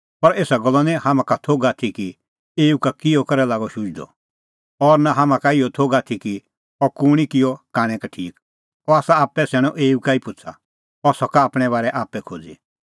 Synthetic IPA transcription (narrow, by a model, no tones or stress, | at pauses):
pɐɾeːsaɡɔlːanɛ̃hamãkat̪ʰoːɡaːt̪ʰiki | eːukakɪjɔkɐɾɛlaːɡɔʃʊd͡ʒd̪ɔ̰ | ɔɾnaɦamãkaɪɔt̪ʰoːɡaːt̪ʰiki | ɔkuɽ̃ikɪjɔkaːɽ̃ɛ̃kaʈʰiːk̚ | ɔaːsaaːpːɛsɛɽ̃ɔʔeːukaipʊt͡sʰa̰ | ɔsɔkaːpɽ̃ɛβaːɾɛʔaːpːɛkʰo̰ːd͡zḭ